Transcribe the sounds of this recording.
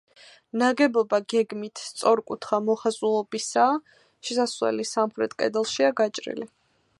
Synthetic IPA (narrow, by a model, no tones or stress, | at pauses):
naɡɛbɔbaɡɛɡmit̪ʰst̪sʼɔɾkʼut̪ʰχamɔχazulˠɔbisa | ʃɛsaswɛ̰lisamχɾɛt̪ʰʼkʼɛ̰d̪ɛlˠʃiaɡat͡ʃʼɾḭli